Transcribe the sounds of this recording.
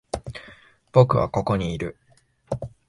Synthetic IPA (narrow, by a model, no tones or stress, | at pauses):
b̥o̞kɯ̟βa̰ko̞ko̞ɲ̟iːɾɯ̟